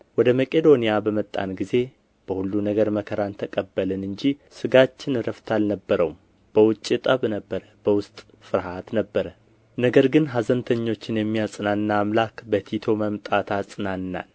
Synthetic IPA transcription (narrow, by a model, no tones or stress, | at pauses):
wɔd̪əməkʼe̞d̪o̞nijabəmət̪ʼːa̰nɡize̞ | b̥əhulːunəɡəɾməkʰəɾant̪ʰəkʼəbːəlɨnɨɲd͡ʒisɨɡat͡ʃːɪnɨɾəft̪ʰalnəbːəɾəwum | b̥əwʊt͡ʃʼːit̪ʼəβnəbːəɾəb̥əwʊst̪ʼ | fɨɾɦat̪nəbːəɾə | nəɡəɾɡɨnɦazənt̪ʰəɲːo̞t͡ʃːɪnjɛmːijasʼɨnanːaːmlakbət̪ʰit̪ʰo̞məmt̪ʼat̪ʰasʼɨnanːa̰l